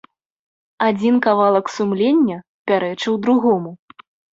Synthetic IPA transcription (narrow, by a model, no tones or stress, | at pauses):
ad͡zʲinkavalˠɐksumlʲenʲːɐ | pʲaɾɛt͡ʂɨwd̪ɾuɣɔmu